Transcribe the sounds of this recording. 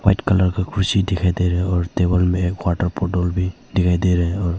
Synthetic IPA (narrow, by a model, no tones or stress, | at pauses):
wajtkalaɾkʰɔkʰɾusidɛkʰajd̪ejɾɛɔɹtebɔlmɛːkwaʈaɾpɔdɔlbi | dɛkʰajd̪eɾɛɔɹ